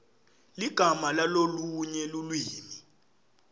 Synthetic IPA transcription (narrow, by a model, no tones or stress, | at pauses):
liɡ̥ʱamalaloluɲɛlulwiːmi